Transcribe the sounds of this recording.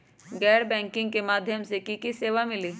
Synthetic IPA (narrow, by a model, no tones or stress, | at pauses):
ɡɛːɾbɛ̃ːŋkɪ̃ŋɡ̚kemaːd̪ʱjəmsekikiseːʋamɪliː